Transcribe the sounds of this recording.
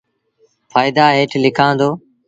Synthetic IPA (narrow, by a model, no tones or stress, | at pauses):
fʰaːɪd̪aːɦeːʈʰlɪkʰãːnd̪oː